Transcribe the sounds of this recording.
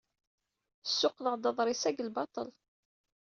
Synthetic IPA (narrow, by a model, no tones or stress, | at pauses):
sːʊqləʁd̪ɑðˤɾˤisæɡəlbɑt̪ˤə̰l